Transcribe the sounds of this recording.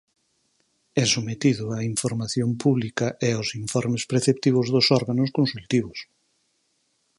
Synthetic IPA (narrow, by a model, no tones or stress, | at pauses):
ɛsomet̪iðʊaiɱfoɾmaθjompuβlikɐʔeosiɱfɔɾmɪspɾeθept̪iβ̞ʊzðʊsɔɾɣanʊskonsult̪iβ̞ʊs